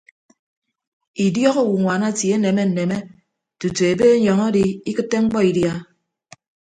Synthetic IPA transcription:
i˨djɔ˦ɣo˦˨wu˨ŋʷa˨na˦˨tje˦ne˨me˦n̩˨ne˨me˦ | tu˨tu˨e˨be˦ɲɔ˨ŋɔ˦di˦i˦kɨ˦tːe˦ŋ͡m̩˦k͡pɔ˦i˨dja˦

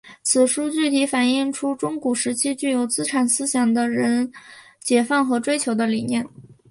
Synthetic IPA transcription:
t͡sʰɹ̩˨˩ʂu˥t͡ɕy˥˩t̪ʰi˧˥fa˨˩ni˥˩ŋʈ͡ʂʰu˥ʈ͡ʂʊ˥ŋku˨˩ʂɻ̩˧˥t͡ɕʰi˥t͡ɕy˥˩jo˨˩ʊt͡sɹ̩˥ʈ͡ʂʰa˨˩nsɹ̩˥ɕjɑ˨˩ŋd̪ə˧ɻə˧˥n | t͡ɕjɛ˨˩fa˥˩nxɤ˧˥ʈ͡ʂwe˥ɪt͡ɕʰjo˧˥ʊd̪ə˧li˨˩njɛ˥˩n

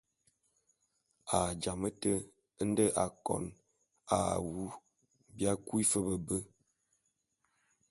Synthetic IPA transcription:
a˨d͡ʒa˨mə˦tə˦ | n̩˦də˦ʔa˨kɔ̰˨n | a̰˨wu˦ | bja˦kwi˦fə˦bə˨bə˦

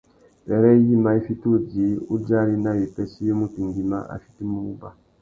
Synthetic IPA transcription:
bɛ˨ɾɛ˦ji˦ma˨˦i˦fi˦tu˦˨ɟi˨˦u˦d͡ʒa˦ɾi˦na˦je˨pɛ˦ʃi˦jo˦mu˦ti˨ŋɡi˨ma̰˦ʔa̰˨fi̥˦ti˦mu˦u˦ba˨

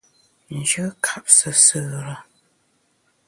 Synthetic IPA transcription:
n̩˨d͡ʒɨ˦kʰa˦p̚sə˨sɨ˨ɾə˨

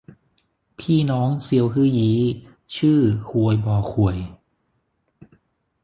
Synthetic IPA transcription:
pʰiː˥˩nɔː˦˥ŋsi˧˦əwɦɯː˥˩jiː˨˦ | t͡ɕʰɯː˥˩kʰu˨˩əjbɔː˨˩kʰu˨˩əj

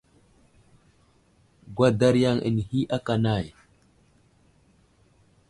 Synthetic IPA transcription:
ɡwa˦da˦ɾja˦˨ŋə̰˨n˨hi˦ʔa˦ka˨na˦˨j

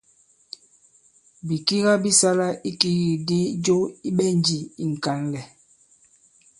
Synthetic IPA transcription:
bi˨ki˦ɣa˦bi˦sa˦la˦i˦ki˦ɣi˨di˦d͡ʒo˦i˦ɓɛ˦n˦d͡ʒi˨i˨ŋ̩˨ka˨nlɛ˨

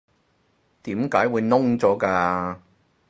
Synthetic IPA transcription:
t̪iː˨˥mkaː˨˥jwuː˨˧jnʊ˥ŋt͡sɔː˨˥kaː˧

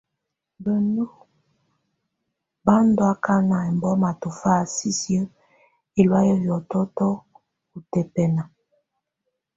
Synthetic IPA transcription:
bə˨no˦ | ba˦n˦do˨˦a˦ka˦na˨ɛ˨m˨bɔ˦ma˨to˨fa˦˨si˦sjə˦ | e˨lwa˦jə˦bjɔ˨tɔ˦tɔ˦ | ku˨tɛ˨pɛ˨na˨

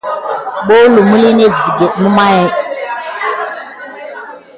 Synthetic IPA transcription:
ɓo˦lu˨mu˦li˦ne˦zi˨ɡe˨mu˦ma˦jɛ˦

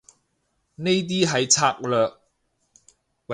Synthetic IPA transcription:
ne˥jt̪̬iː˥ɦɐ˨jt͡sʰaː˧k̚lœː˨k̚ | wɐ˨

